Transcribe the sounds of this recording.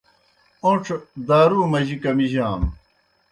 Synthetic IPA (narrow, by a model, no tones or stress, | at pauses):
õʈ͡ʂʰd̪aːɾuːmɐʑikɐmiʑaːm